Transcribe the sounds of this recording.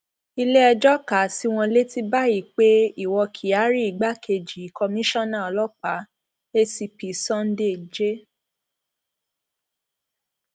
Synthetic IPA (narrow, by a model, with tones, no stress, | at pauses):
i˧le˦ɛ˧d͡ʒɔ˦ka˨˦si˦w̃ɔ̃˧le˦ti˧ba˦ji˦˨k͡pe˦i˦˨wɔ˧kʰi˨a˨˦ɾi˦i˨ɡ͡ba˦kʰe˧d͡ʒi˨i˨˦kɔ˧mĩ˦ʃɔ̃˦nã˦˨ɔ˨lɔ˦k͡pa˨˦ | e˦si˧pi˨sɔ̃˦n̩˦de˦˨d͡ʒe˦